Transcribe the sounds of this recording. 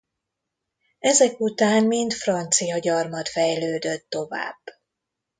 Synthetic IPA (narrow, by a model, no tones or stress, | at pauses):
ɛzɛkut̪aːnmint̪frɒnt̪sijɒɟɒrmɒt̪fɛjløːd̪øt̪ːo̞va̰ːb̥ː